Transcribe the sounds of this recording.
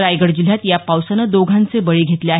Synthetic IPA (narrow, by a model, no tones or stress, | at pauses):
ɾajɡəɽd͡ʑil̤jat̪japawsanad̪oɡʱant͡sebəɭeɡʱet̪leaɦ